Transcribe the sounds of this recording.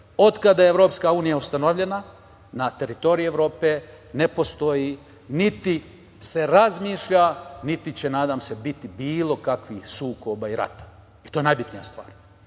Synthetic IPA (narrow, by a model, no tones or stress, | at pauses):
o̞d̪kad̪ajeeʋɾo̞ːpskauːnijaust̪anoʋʎe̞na | nat̪e̞ɾit̪o̞ɾiieʋɾo̞ːpe | nepo̞st̪o̞ji | nit̪i | se̞ɾazmiːʃʎanit̪it͡ɕenaːd̪amse̞bit̪ibiːlˠo̞kakʋixsuːko̞baiɾa̰t̪ḁ | it̪o̞ːenajbit̪nija̰st̪ʋa̰ːɾ